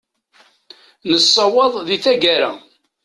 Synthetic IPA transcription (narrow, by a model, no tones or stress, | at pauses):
nəsˤːɑwɑðˤðiθæɡæɾæ